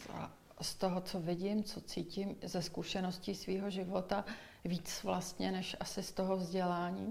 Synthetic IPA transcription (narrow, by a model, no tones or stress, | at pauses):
a̰ | st̪o̞ɦot͡so̞vɪɟɪmt͡so̞t͡siːcɪmzɛskuʃɛno̞sciːsviːɦo̞ʒɪvo̞t̪a | viːt͡svlast̪ɲɛnɛʃʔasɪst̪o̞ɦo̞vzɟɛlaːɲiː